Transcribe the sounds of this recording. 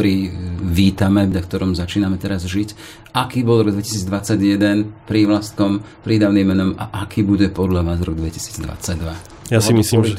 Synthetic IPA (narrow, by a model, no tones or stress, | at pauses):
ɾiːʋiːt̪amɛʎakt̪ɔɾɔmzat͡ʃiːnamɛt̪ɛɾazʒic | akiːbɔlˠɾɔɡd̪ʋɛci̥siːd͡zd̪ʋat͡saɟjɛd̪ɛnpɾiʋlast̪̚kɔmpɾiːd̪aʊnimmːɛnɔmaʔakʰiːbuɟɛpɔd̪ʎaʋaːzɾɔ̰ɡd̪ʋɛci̥si̥ːd͡zd̪ʋa̰t͡saɟd̪ʋa | jasimisliːm